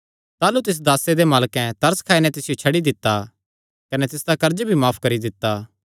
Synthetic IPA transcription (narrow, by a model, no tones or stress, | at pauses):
t̪aːlut̪ɪs̬d̪aːsed̪emaːlkɛ̃t̪ɐɾskʰaːinɛ̃t̪ɪsɪjot͡ʃʰɐɽid̪ɪt̪ːa | kɐnɛt̪ɪsd̪akɐɾd͡ʒbʱimaːpʰkɐɾid̪ɪt̪ːa